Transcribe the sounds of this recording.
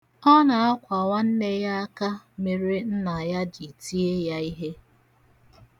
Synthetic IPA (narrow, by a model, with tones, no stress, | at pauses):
ɔ˦na˨a˦kʷa˨wa˦n̩˦ne˦ja˦a˦ka˦me˨ɾe˦n̩˦na˨ja˦d͡ʒi˨ti˦e˦ja˦i˦ɦe˦